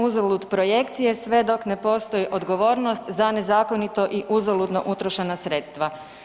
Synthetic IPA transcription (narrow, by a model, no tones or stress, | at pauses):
uzolud̪pɾo̞jekt̪sije̞sʋe̞d̪o̞kne̞po̞ːst̪o̞jiʔo̞d̪ɡo̞ʋo̞ːɾnost̪zane̞zaːko̞nit̪o̞ʔiʔuzolud̪no̞̰ʔut̪ɾoʃenasɾe̞ːt̪st̪ʋa